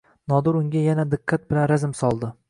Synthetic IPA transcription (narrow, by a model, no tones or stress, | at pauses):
nɒd̪ʊɾʊŋɡʲajanad̪ɪqʰːat̪̚bɪlanɾazɪmsɒlˠd̪ɪ